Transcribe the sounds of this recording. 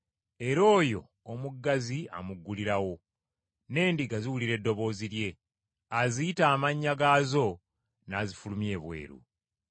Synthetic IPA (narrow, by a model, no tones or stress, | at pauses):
e̞ɾo̞ːjo̞̰ː | muɡːazia̰muɡːuliɾawo̞ | ne̞ːndiɡaziwuliɾe̞dːo̞βo̞ːziɾje̞ | azijitaːmaɲːaɡaːzo̞ | naːzifulumje̞ːβwe̞̰ːɾṵ